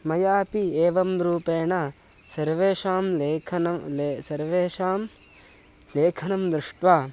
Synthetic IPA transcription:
mɐjaːpieːʋɐmɾuːpeːɳɐ | sɐɾʋeːʃaːmleːkʰɐnɐsɐɾʋeːʃaːm | leːkʰɐnɐmd̪ɾɪʂʈʋaː

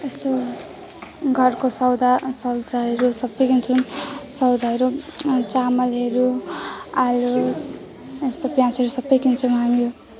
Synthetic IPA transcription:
est̪o | ɡʱʌrkosʌwd̪asʌwd͡zaɦʌɾusʌbːʌjkint͡sʰunsʌwd̪aɦʌɾut͡samʌlɦʌɾu | alu | est̪oprjãnsʌɾusʌbːʌjkint͡sʰuw̃mɦamijo

